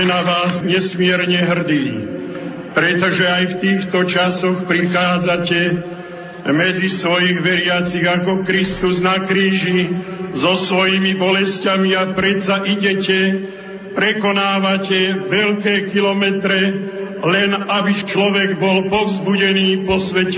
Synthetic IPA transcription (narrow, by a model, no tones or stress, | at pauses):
naʋaːzɲɛsmɪɛɾɲɛɦr̩d̪iː | pɾɛt̪ɔʒɛajft̪iːxt̪ɔt͡ʃasɔxpɾixaːd͡zacɛ | mɛd͡zisʋɔjiɣʋɛɾɪat͡siɣakɔkɾist̪uznakɾiːʒizɔsʋɔjimibɔlɛscamiapɾɛt̪saʔiɟɛcɛ | pɾɛkɔnaːʋacɛʋɛʎkɛːkilɔmɛt̪ɾɛlɛnabit͡ʃlɔʋɛɡbɔlpɔvzbuɟɛniːpɔsʋɛcɛ